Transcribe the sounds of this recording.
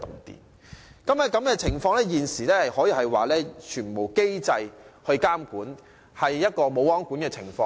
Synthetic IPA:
t̪ʊ̰˨ŋt̪ḭː˨˩n | kɐ˨˥mɛː˧kɐ˨˥mkɛː˧t͡sʰɪ˨˩ŋfɔː˧ŋlɛː˥jiː˨nsiː˨˩lɛː˥hɐ˨jhɔː˨˥jiː˨˩hɐ˨jwa̰ː˨lɛː˥t͡ʃʰyː˨˩npo˨˩wke˥jt͡sɐ˧jhɵ˧ɥkaː˥mkuː˨˥n | hɐ˨jːɐ˥t̚kɔː˧mo˨˧wɔː˨˥ŋkuː˨˥nkɛː˧t͡sʰɪ˨˩ŋfɔː˧

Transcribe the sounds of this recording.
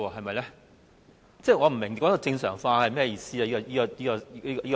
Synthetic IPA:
ɔː˧ɦɐ˨jmɐ˨jlɛ˥ | t͡sɛː˥˩ŋɔː˨˧m̩˨˩mɪ˨˩ŋkɔː˨˥t̪ɔ˧t͡sɪ˧ŋsœː˨˩ŋfaː˧hɐ˨jmɛː˥˩˨jiː˨˧siː˥aː˨˧jiː˥ɔ˧jiː˥kɔ˧iː˥kɔ˧˥iː˥kjiː˥k

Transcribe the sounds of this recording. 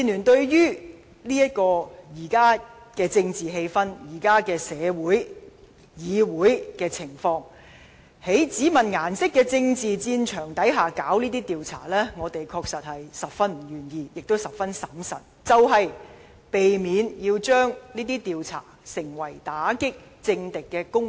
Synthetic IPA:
iː˨nyː˨˩nt̪ɵ˧ɥjyː˥ | liː˥jɐ˥t̚kɔː˧jiː˨˩kaː˥ | kɛː˧t͡sɪ˧ŋt͡siː˨˩ɦe˧jfɐ˥njiː˨˩kaː˥kɛː˧sɛː˨˧wuː˨˥j | jiː˨˧wuː˨˥jkɛː˧t͡sʰɪ˨˩ŋfɔː˧ŋ | he˨˥jt͡siː˨˥mɐ˨nŋaː˨˩nsɪ˥kːɛː˧t͡sɪ˧ŋt͡siː˨t͡siː˧nt͡ʃʰœː˨˩ŋt̪ɐ˨˥jɦaː˨kaː˨˥wniː˥t̪iː˥t̪iː˨wt͡sʰa̰ː˨˩lɛː˥ŋɔː˨˧t̪e˨jkʰɔː˧k̚sɐ˨t̚hɐ˨jsɐ˨˩p̚fɐ˥nm̩˨˩jyː˨˩njiː˧jɪ˨k̚t̪o˥wsɐ˨p̚fɐ˥nsɐ˨˥msɐ̰˨t̚t͡sɐ˨wɦɐ˨j | pe˨jmiː˨˧njiː˧wt͡ʃœː˥ŋniː˥t̪iː˥t̪iː˨wt͡sʰa̰ː˨˩sɪ˨˩ŋwɐ˨˩jt̪aː˨˥kɪ˥k̚ | t͡sɪ˧ŋt̪ɪ˨kːɛː˧kʊ˥ŋ

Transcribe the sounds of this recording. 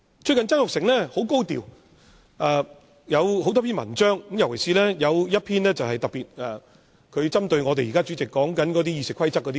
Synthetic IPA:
t͡ʃʰɵ˧kɐ˨nt͡sɐ˥ŋjʊ˨k̚sɪ˨˩ŋlɛː˥ho˨˥wko˥wt̪ḭ˨w | ʔaː˨˩ | jɐ˨˧who˨˥wt̪ɔː˥pʰiː˥nmɐ̰˨˩nt͡ʃœː˥ŋkmjɐ˨˩wkʰe˨˩jsiː˧lɛː˥jɐ˨˧wjɐ˥t̚pʰiː˥nlɛː˥t͡sɐ˨wɦɐ˨jt̪ɐ˨k̚piː˨t̚ɛ˨ | kʰɵ˨˧ɥt͡sɐ˥mt̪ɵ˧ɥŋɔː˨˧t̪̬e˨jiː˨kaː˥t͡syː˨˥t͡sɪ˨kːɔː˨˥ŋkɐ˨˥nkɔː˨˧˥t̪̬iː˥jiː˧sɪ˨kʰwɐ˥jt͡sɐ˥kːɔː˨˧˥i˥

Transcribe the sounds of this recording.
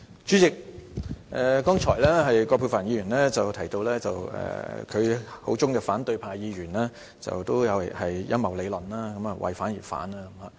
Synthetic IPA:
t͡ʃyː˨˥t͡sɪ˨k̚ʔɛː˨kɔː˥ŋt͡ʃʰɔː˨˩jlɛː˥ɦɐ˨jkɔː˧pʰuː˧˩faː˨˩njiː˨˧ɥy˨˩nlɛː˥t͡sɐ˨wt̪ʰɐ˨˩jt̪o˧wlɛː˥t͡sɐ˨wɛ̰ː˨kʰɵ˨˧ho̰˨˥wt͡sʊ˥ŋkɛː˧faː˨˥nt̪ɵ˧ɥpʰaː˨jiː˨˧ɥyː˨˩nlɛː˥ | t͡sɐ̰˨wt̪o˥wjɐ˨˧whɐ˨jjɐ˥nmɐ˨˩wle˨˧lɐ˨naː˥kɐ˨˥mɐ˨wʔɐ̰˨jfaː˨˥njiː˨˩fa̰ː˨˥naː˧kɐ˧˦ma˨

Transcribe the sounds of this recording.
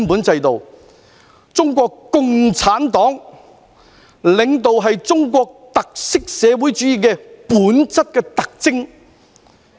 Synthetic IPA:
npuː˨˥nt͡sɐ˧jt̪o˨w | t͡sʊ˥ŋkʷɔː˧kkʊ˨ŋt͡sʰaː˨˥nt̪ɔː˨˥ŋ | lɪ˨ŋt̪̬o˨wɦɐ˨jt͡sʊ˥ŋkʷɔː˧k̚t̪ɐ˨k̚sɪ˥k̚sɛː˨˧wu˨˥jt͡ʃyː˨˥jiː˨˩kɛː˧puː˨˥nt͡sɐ˥t̚kɛː˧t̪ɐ˨k̚t͡sɪ˥ŋ

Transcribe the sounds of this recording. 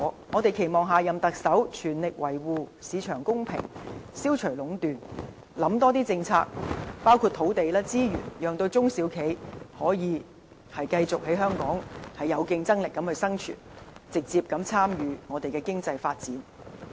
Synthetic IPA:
ŋɔː˨˧t̪e˨˩jkʰe˨˩jmɔː˨ŋɦaː˨jɐ˨mt̪ɐ˨k̚sɐ˨˥wt͡ʃʰyː˨˩nlɪ˨k̚wɐ˨˩jwuː˨˧siː˨˧t͡ʃʰœː˨˩ŋkʊ˥ŋpʰɪ̰˨˩ŋsiː˥wt͡ʃʰɵ˨˩lʊ˨˥ŋt̪yː˨˩n | lɐ˨˥mt̪ɔː˥t̪iː˥t͡sɪ˧ŋt͡sʰa̰ː˧k̚paː˥wkʰu˧t̪ʰo˨˥wt̪e˨jlaː˥t͡siː˥jy̰ː˨˩njœː˨ŋt̪o˧wt͡sʊ˥ŋsiː˨˥wkʰe˨˥jhɔː˨˥jiː˨˧ | hɐ˨jkɐ˧jt͡sʊ˨k̚he˨˥jɦœː˥ŋkɔː˨˥ŋhɐ˨jɐ˨˧wkɪ˧ŋt͡sɐ˥ŋlɪ˨kːɐ˨˥mhɵ˧ɥsɐ˥ŋt͡ʃʰy̰ː˨˩nt͡sɪ˨k̚t͡siː˧p̚kɐ˨˥mt͡sʰaː˥mjyː˨˧ŋɔː˨˧t̪e˨jkɛː˧kɪ˥ŋt͡sɐ˧jfaː˧t̚t͡siː˨˥n

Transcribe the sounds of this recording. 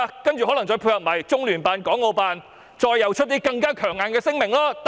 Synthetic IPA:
kɐ˥nt͡ʃy˨˩ɦɔ˨˥lɐ˨˩t͡sɔː˧jpʰuː˧jhɐ˨p̚maː˨˩jt͡sʊ˥ŋlyː˨˩npaː˨nkɔː˨˥ŋːo˧paː˨˧n | t͡ʃɔː˧jːɐ˨˩wt͡ʃʰt̚t̪iː˥kɐ˧ŋkaː˥kʰœː˨˩ŋːaː˨˧nkɛː˧sɪ˥ŋmɪ˨˩ŋlɔː˥t̪

